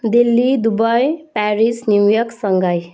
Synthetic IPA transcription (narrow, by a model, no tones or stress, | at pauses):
d̪ilːid̪ubʌjpæɾisniwjʌksʌŋɡʌj